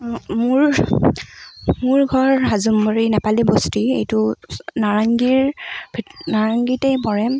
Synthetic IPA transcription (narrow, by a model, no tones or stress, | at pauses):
mʊɹ | mʊɹɡʱɔɹɦazumbɔɹinɛpalibɔstiḛjtʊnaɹaŋɡiɹbʱinaɹaŋɡitejpɔɹɛ